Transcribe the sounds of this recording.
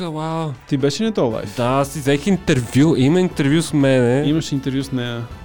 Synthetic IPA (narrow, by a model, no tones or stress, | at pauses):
wawt̪ibɛʃɛnɛt̪ɔlˠa̰jtd̪asizɛkʲĩnt̪ɛɾvjuimɐint̪ɛɾvjusmɛnɛimɐʃĩnt̪ɛɾvjusnɛ